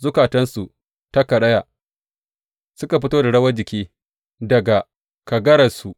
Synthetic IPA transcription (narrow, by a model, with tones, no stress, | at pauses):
zʊ˦kaː˨tɐ˦nsu˨ | ta˦kɐ˨ɗɐ˦jaː˨ | sʊ˦ka˨ɸɪ˦toː˦da˨ɽɐ˦wɐ˦d͡ʒɪ˨kʲiː˦ | dɐ˨ɡa˨ | kɐ˨ɡɐ˦ɽɐ˨su˨ʔ